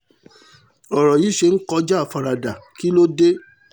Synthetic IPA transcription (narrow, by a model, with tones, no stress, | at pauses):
ɔ˨ɾɔ˨ji˨˦ʃe˧n̩˦kɔ˧˦d͡ʒa˦a˨fa˧ɾa˧da˨ki˦lo˦de˦